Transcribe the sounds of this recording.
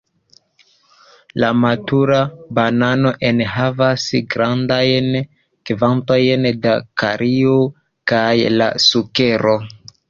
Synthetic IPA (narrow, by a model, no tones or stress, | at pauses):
lamatuɾabanano̞ʔenɦavasɡɾandajn | kivanto̞jndakaɾʔio | kajla̰suke̞ɾo